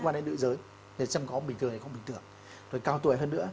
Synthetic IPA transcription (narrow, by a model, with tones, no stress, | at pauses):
kwaː˧ne˧nɗɨ̰˧˨zəː˨˦j | t̪ʰe˨˩t͡ɕa˧mŋ͡mkɔ˨˦ɓï˨˩ŋt̪ɨ˨˩t̪ːkːɓï˨˩ŋ̟t̪ɨ˨˩əŋ | zʰo˨˩jkaː˧wt̪wəjɦəː˧nːɨ̰˧˥ə